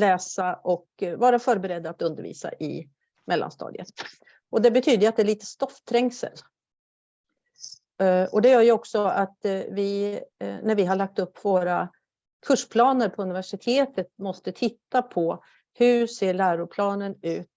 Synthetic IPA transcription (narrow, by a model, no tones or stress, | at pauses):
lɛːsaʔɔkvɑːɾafœːɾbɛɾɛd̪ːaːt̪ɵnd̪əɾvḭːsa̰ʔɪ̰ | mɛlːa̰nst̪ɑ̰ːd̪jɪə̰t̪ | ɔd̪ɛbɛt̪ʰyːd̪əat̪̚d̪ɛɭiːt̪ə̥st̪ɔft̪ʰɾɛŋsə̰l | ɔd̪ɛjœːɾjɵɔksɔat̪vɪ | næɾvɪɦaɭak̚t̪ɵpːvoːɾa | kʰɵʂpʰlɑːnəɾpʰɔɵnɪvæʂɪt̪ʰeːt̪ət̪̚mɔst̪ət̪ʰɪt̪ːapʰɔ | hɵseːɭæːɾʊɾpʰlɑːnənʉ̟ːt̪